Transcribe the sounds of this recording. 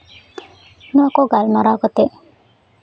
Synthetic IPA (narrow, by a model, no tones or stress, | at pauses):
nuɐkoɡalmɐɾaːɡot̪e